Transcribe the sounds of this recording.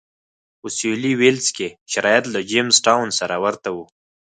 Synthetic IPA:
usuliwelskeʃaɾaːjat̪lad͡ʒemzʈawnsaɾawaɾt̪awu

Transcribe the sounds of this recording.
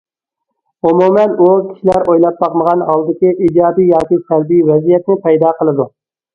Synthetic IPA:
umumɛnukʲʰi̥ʃilæɾojlˠɑp̚bɑqməʁɑnɦɑlˠd̪ɪkʲiʔid͡ʒɑːd̪ijjɑːkʲisæɾbijvɛzijɛt̪nɪpɛjd̪ɑːqəlˠɨd̪u

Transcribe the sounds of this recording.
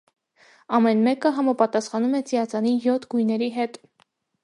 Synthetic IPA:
ɑmɛnmɛkəɦɑmɑpɑt̪ɑsχɑnumɛt͡sijɑt͡sɑnijɔt̪ʰɡujnɛɾiɦɛt̪

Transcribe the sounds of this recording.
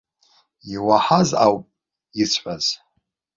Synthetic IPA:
iwaħaza̰wpʼ | it͡sʰħʷaz̥

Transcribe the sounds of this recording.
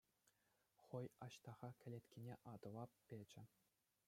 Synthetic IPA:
χɤ̆jɑɕt̪ɑʁɑkʲʰɘ̆lʲet̪ʲkʲinʲeʔɑd̪ɤ̆ʋɑppʲːed͡ʑɘ̆

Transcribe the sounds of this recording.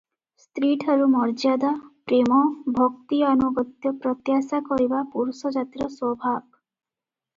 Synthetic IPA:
st̪ɾiʈʰaɾumɔɾd͡ʒad̪apɾemɔbʱɔkt̪ianɔɡɔt̪jɔpɾɔt̪jasakɔɾibapuɾusɔd͡ʒat̪ɾɔswɔbʱab̚

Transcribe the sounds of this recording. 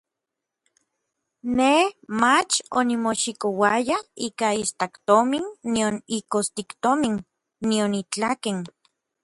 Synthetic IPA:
nehmat͡ʃonimoʃikowajaiːkaist̪akt̪ominːionikost̪ikt̪ominː | ionit͡ɬaken

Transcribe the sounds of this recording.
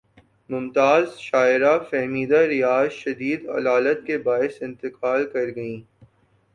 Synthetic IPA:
mʊmt̪aːzʃaːɪɾafɛɦmiːd̪aɾɪjaːzʃɐd̪iːd̪ɐ̰laːlət̪̚kebaːɪsɪ̃nt̪ɪqaːlkɐɾɡɐĩː

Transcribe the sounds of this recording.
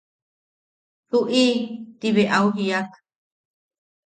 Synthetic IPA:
tuʔit̪iβeʔawɦiak

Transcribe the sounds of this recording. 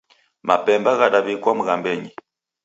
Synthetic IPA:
mapɛmbaɣaɗaβikwamuɣambɛɲi

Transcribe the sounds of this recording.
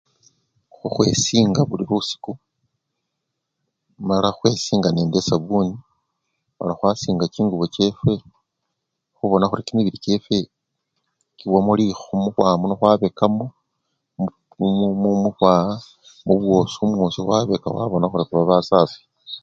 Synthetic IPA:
xuxwe̞̰siːŋɡaβuliɾusi̥ku | malaxwe̞siːŋɡane̞ːndesaβuni | a̰laxwasiːŋɡat͡ʃiːŋɡuβot͡ʃe̞fwe̞ | xuβo̞naxuɾikimiβiɾit͡ʃe̞fe̞ | kiβwamolixumuxwaːmonoxwaβe̞kamo | mumuxwaa | muβwo̞siumwosixwaβe̞ka̰xwa̰βo̞naxuɾikuβaβasaːfi̥

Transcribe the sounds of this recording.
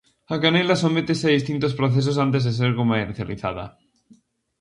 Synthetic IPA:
akanelasomet̪eseaðist̪int̪ospɾoθes̬osant̪̬ezðes̬eɾkomaeɾθjaliθa̰ða̰

